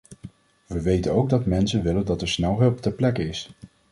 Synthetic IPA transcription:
ʋəʋejtənowɡ̚dɑtmɛnsənʋɪləndɑtɛɹsnɛlˠɦɵlˠptɛɹplɛkəɪs

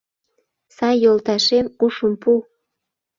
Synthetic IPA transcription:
sɑjːolt̪ɑʃemuʃəmpu

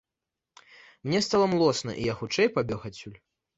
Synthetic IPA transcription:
mnʲɛst̪alˠɐmlˠɔsnɐ̰ʔḭjaxut͡ʂɛjpabʲɔxat͡sʲulʲ

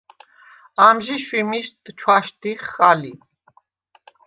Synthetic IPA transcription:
amʒiʃwimiʃt̪t͡ʃʰwaʃt̪iχːali

